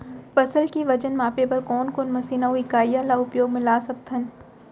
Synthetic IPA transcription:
fɐsəlkiʋɐd͡ʒənmaːpebɐɾkɔːnkoːnmɐsiːnaũɪkaːijalaʊpjoːɡmɪlaːsɐk̚t̪ʰɐn

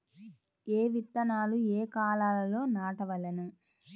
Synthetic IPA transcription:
eːʋit̪ːɐnaːlueːkaːlaːlɐlo̞ːnaːʈɐʋɐlɐnu

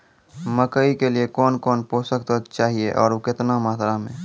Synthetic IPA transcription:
məkəikeliekɔːnkɔːnpoːsəkt̪ot͡ʃaːɦieʔɔːɾokɪt̪namaːt̪ɾamḛ̃ː

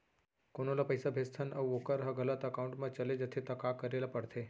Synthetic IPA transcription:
koñolapəjsabʱest̪ʰənəwʋokəɾɦaɡələt̪əkauɳʈmat͡ɕəled͡ʑət̪ʰet̪əkakəɾelapəɽt̪ʰe

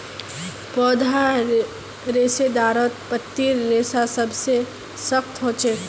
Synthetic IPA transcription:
pɔːd̪ʱa | ɾeːsed̪aːɾot̪pət̪ːiɾːeːsasɐbse | səxt̪ɦoːt͡ʃeː

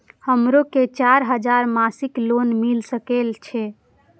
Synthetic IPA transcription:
həmɾoket͡ʃaɾɦəd͡ʒaɾmasiklonmilsəkelt͡ʃʰɛ

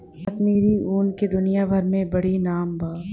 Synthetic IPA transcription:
kɐsmiːɾiuːnked̪ʊnijabʱɐɾmẽbɐɽinaːmbaː

